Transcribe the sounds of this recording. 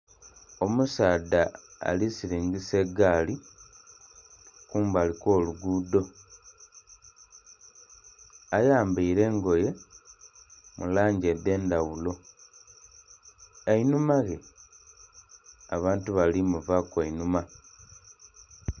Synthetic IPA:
o̞musaːda̰ːlisiɾiːŋɡise̞ɡaːli | kuːmbaliko̞ːluɡuːdo̞ | ajaːmbiiɾe̞ːŋɡo̞je̞ | mulaːɲɟed̪e̞ːndawulo̞ | einumaɣe̞ | a̰βaːntuβalimuvakweinuma

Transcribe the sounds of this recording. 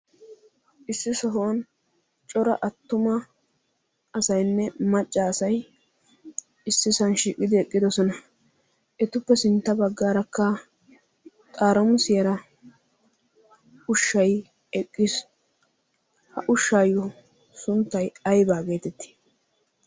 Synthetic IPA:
ʔɪsːɪsɐɦoːn | t͡ʃʼɔɾɐ̰ʔɐt̪ːʊmɐ | sɐjnːɛmɐt͡ʃʼːɐːsɐj | ɪsːɪsɐnʃiːkʼːɪd̪ɪɛkʼːɪd̪ɔsɔnɐ | ʔɛt̪ʊpːɛsɪnt̪ːɐbɐɡːaːɾɐkːɐ | t̪ʼaːɾɐmʊsɪjɐɾɐ | ʊʃːɐj | ɛkʼːɪs | hɐʔʊʃːaːjʊ | sʊnt̪ːɐjɐjbaːɡe̞ːt̪ɛt̪ːi̥

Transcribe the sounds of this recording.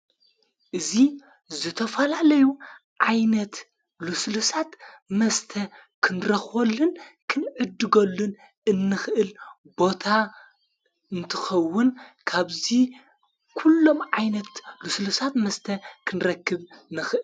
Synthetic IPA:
ʔɨzi | zɨt̪ʰɐfɐlalɐjuʕajnɐt̪ | luslusat̪mɐst̪ʰɐkʰɨnɾɐxwolːɨnkʰɨnʕɨd̪ːɨɡɐlːun | ɨnːɨxʔɨl | bo̞t̪ʰa | ɨnt̪ʰɨ̥xɐwːʊnkʰaβzi | kʰulːo̞mʕajnɐt̪luslusat̪mɐst̪ʰɐkʰɨnɾɐkːɨβnɨxʔɨ

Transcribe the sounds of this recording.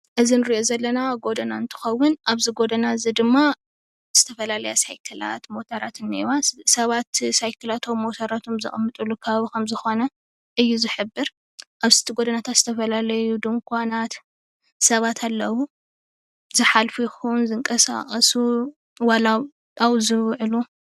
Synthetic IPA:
ʔɨzinɨɾiʔo̞zɐlːɐnaɡo̞d̪ɐnaɨnt̪ʰɨ̥xɐwːʊnʔaβziɡo̞d̪ɐnazid̪ɨmːa | z̥ɨt̪ʰɐfɐlalɐjasajkʰɨla̰t̪mo̞t̪ʰaɾat̪ɨnːaiwasɐβat̪sajkʰɨlat̪ʰo̞mːot̪ʰaɾat̪ʰomzɨ̰χʼɨmːɨt̪ʼulːukʰɐβaβikʰɐmzɨxo̞nɐ | ʔɨjːuzɨħɨbːɨɾ | ʔaβsɨ̥t̪ʰiɡod̪ɐnat̪ʰat̪z̥ɨt̪ʰɐfɐlalɐjud̪ɨmkʰʷanat̪ | sɐβat̪ʰalːɐwu | zɨħalfijɪxunzɨŋkʼɐsa̰χʼɐsu | wala | awzɨwʕɨlu

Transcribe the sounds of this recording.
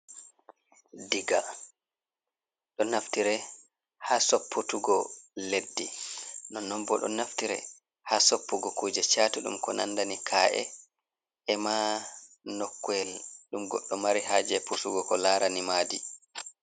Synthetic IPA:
diɡa | ɗɔnaftiɾɛ | hasopːutuɡɔledːinɔnɔmbɔɗɔ̰naftiɾɛ̰ | haːsopːuɡɔkuːd͡ʒɛt͡ʃaːtuɗṵmkɔna̰ndanikʰaːʔɛ̰ | ɛma | nɔkːuɛlɗumɡɔ̰ɗːɔmaɾihaːd͡ʒɛpusuɡɔkɔlaːɾanimaːdi

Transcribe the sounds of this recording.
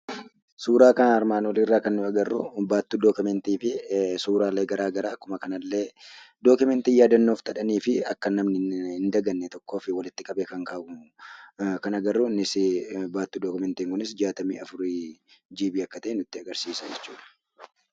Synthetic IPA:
suːɾaːkɐnɐɐɾmaːnɔlɪrːaːkɐnːʊɐɡɐrːʊ̰baːt̪ːuːd̪oːkʊmɛnt̪iːfɪsuːɾaːlːe̞ːɡɐɾaːɡɐɾaːkːʊmɐkɐnɐlːe̞ːd̪oːkʊmɛnt̪ijaːd̪ɐnːoːft̪ʰʼɐᶑɐniːfɪɐkːɐnːɐmnɪɪnd̪ɐɡɐnːɛt̪ɔkːoːfɪwɐlɪt̪ːɪkʼɐɓeːkɐŋkaːʔʊ | kɐnɐɡɐrːʊnɪsɪbaːt̪ːuːd̪oːkʊmɛnt̪iːŋkʊnɪsd͡ʒaːt̪ɐmḭːɐfʊɾid͡ʒiːbiːɐkːɐt̪ɐʔɛnʊt̪ːɪɐɡɐɾsiːsɐd͡ʒɛt͡ʃːuːᶑɐ̥

